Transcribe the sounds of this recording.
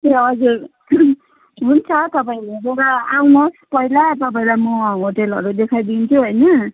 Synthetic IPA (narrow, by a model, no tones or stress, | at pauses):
eʌd͡zuɾ | ɦunt͡sʰʌt̪ʌpaĩlebeɾaawnʌspʌɦilat̪ʌp̬aĩlajmʌɦoʈelʌ̰ɾud̪ekʰajd̪int͡sʰuɦojnʌ